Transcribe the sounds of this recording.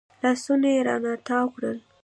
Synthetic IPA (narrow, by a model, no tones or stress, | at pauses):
lɑsunajeɾɑ̰nat̪ɑwkɽəl